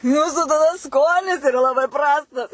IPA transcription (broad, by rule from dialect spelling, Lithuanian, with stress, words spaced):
ˈjuːsʊ tɐˈdɐ ˈskoːnʲɪs ɪˈrɐ lˠɐˈbɐɪ ˈprɑːstɐs